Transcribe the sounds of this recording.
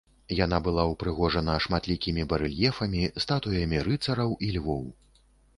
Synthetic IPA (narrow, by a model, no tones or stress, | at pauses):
jan̪abɨlˠawpɾɨɣɔʐɐnɐʂmat̪lʲikʲimʲibɐɾɨlʲjɛfɐmʲist̪at̪ujɐmʲiɾɨt̪sɐɾɐwʔilʲvɔw